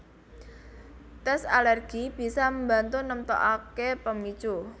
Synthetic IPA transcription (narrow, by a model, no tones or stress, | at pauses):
t̪ɛsalɛrɡ̥ib̥i̤saməmba̤nt̪unəmt̪o̰ʔakepəmid̥ʒ̥u